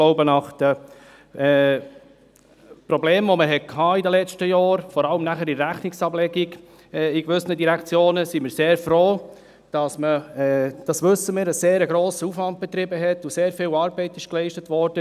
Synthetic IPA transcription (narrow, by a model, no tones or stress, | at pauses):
loʊbənɑχd̥ə | ɛ | pɾɔbleːmʋoməɦɛt̚kʰɑːidəlɛt͡ʃtəjɑːɾfɔɾɑləmnæχəɾiɾæχnɪksɑblɛɡiɡ | ikʋʏsənədiɾɛkʰt͡sjoːnəsimɪːɾseːɾfɾoː | d̥ɑsməɛd̥ɑsʋʏsːəmɪːɾəseːɾəɡɾoːsəufʋɑnd̚b̥ɛt̪ɾɪbəɦɛt̪useːɾfɪːlɑːɾbɛɪtɪʃklɛɪʃtət̪ʋɔɾd̥ə